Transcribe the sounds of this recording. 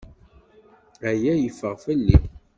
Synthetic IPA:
æjæjəfːəʁfəlːi

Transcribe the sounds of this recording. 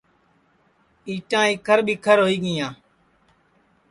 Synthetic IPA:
iːʈãːiːkʰəɾɓiːkʰəɾɦoːiːɠɪjãː

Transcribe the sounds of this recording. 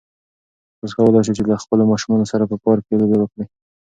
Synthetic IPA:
oskawəlɑjʃ̬it͡ʃelaxpəlomɑʃumɑnosaɾapəpɑɾkelobewəkɽi

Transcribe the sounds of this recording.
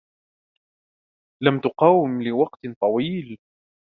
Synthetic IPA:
lamt̪ʊqɑːwɪmlɪwɑqt̪t̪ˤɑwiːl

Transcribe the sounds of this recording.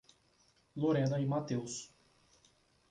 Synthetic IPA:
loɾɛ̃d̪ɐɪmat̪ews

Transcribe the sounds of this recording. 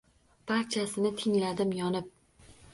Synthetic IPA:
b̥aɾt͡ʃʰasɪnɪt̪ʰɪŋlad̪ɪmjɒnɪp̚

